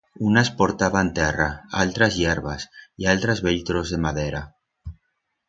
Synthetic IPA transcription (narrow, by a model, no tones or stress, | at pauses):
unaspo̞ɾt̪aβant̪eraa̰lt̪ɾazjeɾβasialt̪ɾazβelt̪ɾozðe̞maðeɾa